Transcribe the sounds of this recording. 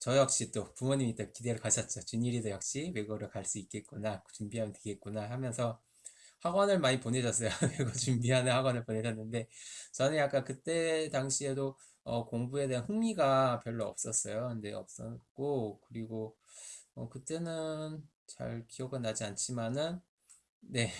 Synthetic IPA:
t͡ɕʌjʌk̚ɕ͈it͈opumoɲimit͈ekide̞ɾɯkaɕʰʌt̚t͡ɕ͈ot͡ɕuniɾidojʌk̚ɕ͈iweɡɯɾɯɭkaɭs͈uik͈̚e̞t̚k͈unakot͡ɕumbiɦamjʌntweɡe̞t̚k͈unahamjʌnsʰʌ | haɡwʌnɯɭmaɲipone̞d͡ʑʌs͈ʌjoeɡot͡ɕumbiɦanɯnhaɡwʌnɯɭpone̞d͡ʑʌnːɯnde̞t͡ɕʌnɯnjak͈ankɯt͈e̞taŋɕʰie̞do | ʌkoŋbue̞de̞ɦanɸɯŋmiɡapjʌɭːoʌ̰p̚s͈ʌs͈ʌjokɯndeʌ̰p̚s͈ʌk͈okɯɾiɡo | ʌkɯt͈e̞nɯn | t͡ɕa̰ɭkiʌɡɯnad͡ʑiant͡ɕʰimanɯnː | e̞

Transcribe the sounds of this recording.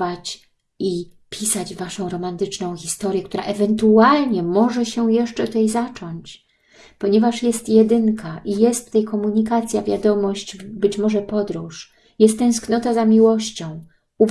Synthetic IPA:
at͡ɕ | i | pʲisad͡ʑvaʂɔ̃w̃ɾɔmant̪ɘt͡ʂnɔ̃w̃xʲist̪ɔɾʲjɛkt̪uɾaʔɛvɛnt̪ualɲɛmɔʐɛɕɛjɛʂt͡ʂɛt̪ut̪ɛjzat͡ʂɔɲt͡ɕ | pɔɲɛvaʂjɛst̪jɛd̪ɘŋkʰaʔijɛst̪ːɛjkɔmuɲikat̪sʲjavʲjad̪ɔmɔɕt͡ɕbɘt͡ɕmɔʐɛpɔd̪ɾuʂ | jɛst̪ːɛ̃w̃sknɔt̪azamʲiwɔɕt͡ɕɔ̃w̃ | uv

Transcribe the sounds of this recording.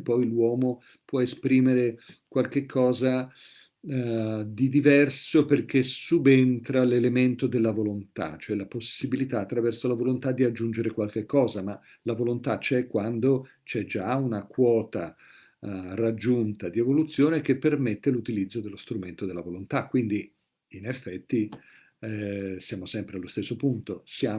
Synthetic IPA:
pːɔjlwɔːmo | pwɔespɾiːmeɾekwalk̟ekʰːɔːza | d̪id̪ivɛrsoperk̟esubent̪ɾalelement̪od̪elːavolont̪a̰t͡ʃoɛlaposibilit̪aːt̪ːɾavɛrsolavolont̪ad̪ːiad͡ʒːund͡ʒeɾekwalk̟ekːɔːzama | lavolont̪at͡ʃɛkːwand̪o | t͡ʃɛd͡ʒaunakwɔːt̪a | rad͡ʒːunt̪ad̪ievolut̪sːjoːnek̟epːermet̪ːelut̪ilid̪zːod̪elost̪ɾument̪od̪elːavolont̪akːwind̪i | inefːɛt̪ːi | sjaːmosɛmpɾealːost̪esːopunt̪osjaː

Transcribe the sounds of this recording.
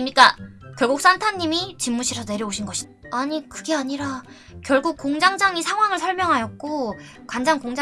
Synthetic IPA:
mɲik͈akjʌɭɡok̚s͈antʰaɲːimit͡ɕimːuɕʰiesʰʌne̞ɾjʌoɕʰinɡʌɕʰid | aɲikɯɡe̞aɲiɾa | kjʌɭɡuk̚k͈ːoŋd͡ʑaŋd͡ʑaŋisʰaŋwaŋɯɭsʰʌɭmjʌŋɦajʌt̚k͈o | kwand͡ʑaŋkoŋd͡ʑa

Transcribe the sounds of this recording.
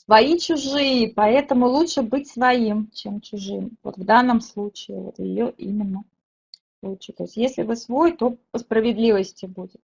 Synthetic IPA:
svɐit͡ɕʊʐɨjɪpɐɛt̪əmʊlˠutʂɨbɨtʲsvɐimt͡ɕemt͡ɕʊʐɨmvo̰t̪vd̪anːəmslˠut͡ɕɪɪvo̰t̪jɪ̰joʔḭmʲɪnːə | plˠut͡ɕːɪt̪o̰ɪsʲtʲjesʲlʲɪvɨsvo̞jt̪o̞pəspɾəvʲɪd̪lʲivəsʲtʲɪbudʲɪt̪̚

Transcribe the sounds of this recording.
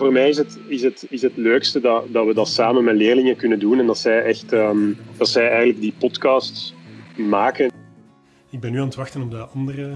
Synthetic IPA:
voːrmɛːjɪsɦət | ɪsɦətɪsɦətløːkstədɑdɑtʋədɑtsaːmənmɛleːrlɪŋəkʏnədunɛndɑtsɛjʔɛxtəːmd̥ɑtsɛjɛːjɣənləɡ̚dipɔtkɑːstsmaːkə | ɪɡ̚bɛnːyːaːnətʋɑxtənɔmdəɑndərə

